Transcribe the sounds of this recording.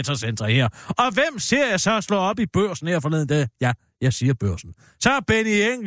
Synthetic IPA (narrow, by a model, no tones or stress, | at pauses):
t͡sʰɐsend̥ʁɐheɐ̰ɒ̽ʋem̰se̝ɐ̰jɑ̈sɒ̽slɔ̰ːɒ̽b̥ib̥øɐ̰sn̩heɐfɒlḛðˠn̩d̥æjæ | jɑ̈ɪsiːɐb̥øɐ̰sn̩ | sɒ̽b̥enieŋ̰